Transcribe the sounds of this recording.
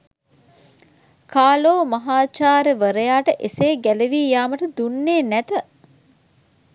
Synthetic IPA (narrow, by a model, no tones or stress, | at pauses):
kʰaːloːmɐɦaːt͡ʃaːɾəʋəɾəjaːʈəʔeseːɡæleʋiːjaːməʈəd̪unːeːnæt̪ə